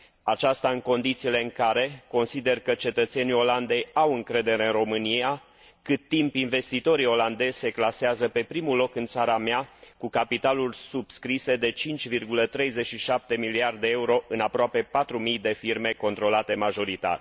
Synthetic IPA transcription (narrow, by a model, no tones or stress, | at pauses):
at͡ʃast̪aɨŋko̞nd̪it̪siːle̞ɨŋkaɾe̞ko̞nsid̪e̞rkət͡ʃe̞t̪ət̪se̞nio̞land̪e̞jawɨŋkɾe̞d̪e̞ɾe̞ɨnro̞mɨnia | kɨt̪ːimpinve̞st̪it̪o̞ɾio̞land̪e̞z̥ʲse̞klaseazəpe̞pɾimulo̞kɨnt̪saɾameakukapit̪alulʲsub̥skɾise̞d̪e̞t͡ʃint͡ʃʲvirɡulət̪ɾe̞jze̞t͡ʃʃiʃap̚t̪e̞miliard̪eeuɾo̞ʔɨnapɾoape̞pat̪ɾumijd̪e̞firme̞ko̞nt̪ɾo̞lat̪e̞maʒo̞ɾit̪a̰ɾe